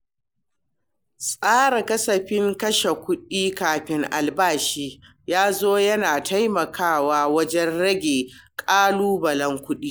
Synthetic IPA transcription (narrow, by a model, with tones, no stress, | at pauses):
sʼaː˦ɾa˨kɐ˦sɐ˨ɸɪ˦ŋkɐ˦ʃe˨kʷʊ˦ɗiː˦kaː˨ɸɪ˦ŋʔa̰˨lbaː˦˨ʃiː˦ | jaː˦zoː˦jɐ˦naː˨tʰa˦jmɐ˨kʰaː˦˨waː˦wɐ˦d͡ʒɛ˦nɽɐ˦ɡʲeː˨kʼaː˦luː˦bɐ˨lɐ˦ŋkʷʊ˦ɗiː˦